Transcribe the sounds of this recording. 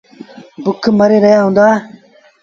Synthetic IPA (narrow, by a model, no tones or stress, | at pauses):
bukʰːmɐɾeɾɐjaːɦũnd̪aː